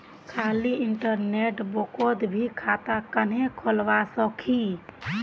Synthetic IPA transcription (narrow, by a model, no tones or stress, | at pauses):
kʰaːliɪɳʈəɾneːʈbokod̪bʱikʰaːt̪akənẽkʰolʋasɔkʰi